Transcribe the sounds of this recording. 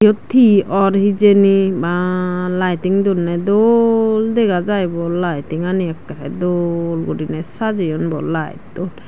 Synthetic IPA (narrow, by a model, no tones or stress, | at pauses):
ɔt̪ʰːiɔɾhizenibalajtiŋdulnɛdɔldɛɡazajbɔlajtiŋaniɛkːaɾɛ̰dolɡuɾinɛsazijɔnbɔ̰lːa̰jtːɔl